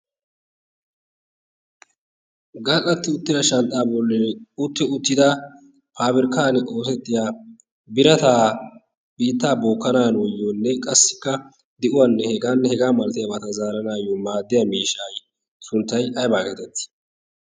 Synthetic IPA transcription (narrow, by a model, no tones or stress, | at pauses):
ɡɐlɐt̪ːɪʊt̪ːɪd̪ɐʃɐnt̪ʼːaːbɔlːɪʊt̪ːɪʊt̪ːɪd̪a | pʰaːbɪɾkaːnɪʔo̞ːsɛt̪ːɪjaː | bɪɾɐt̪aː | b̥iːt̪ːaːboːkːɐnaːnwɔjːoːnːɛkʼɐsːɪ̥kːɐ | d̪ɪʔʊwanːɛhɛɡaːnːɛhɛɡaːmɐlt̪ɪjɐbɐt̪ɐzaːɾɐnaːjoːmaːd̪ːɪjamiːʃaːj | sʊnt̪ːɐjɐjbaːɡeːt̪ɛt̪ːɪ̥